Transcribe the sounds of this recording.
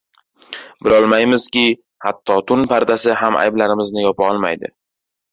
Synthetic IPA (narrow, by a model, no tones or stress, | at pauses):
bɪlɒlˠmajmɪz̥kʲɪ | hat̪ʰːɒt̪ʰʊnpʰaɾd̪asɪɦamʔa̰jblaɾɪmɪznɪjɒpʰaɒlˠma̰jd̪ɪ̰